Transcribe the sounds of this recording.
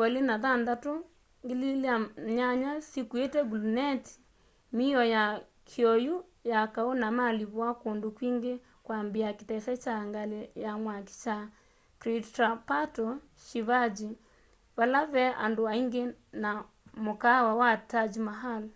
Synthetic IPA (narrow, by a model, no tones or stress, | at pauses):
kalenaðandato | ŋɡelilaɲaɲasikuetɛɡulunɛti̥ | miɔja | kʰiɔju | jakaonamaliβwakondokwiːŋɡe | kwambiakitɛsɛt͡ʃaŋɡalejamwaki̥t͡ʃa | kɾitapatɔ | ʃiβad͡ʒi | βalaβɛʔa̰ndoaiŋɡena | mokawawatad͡ʒimaɦal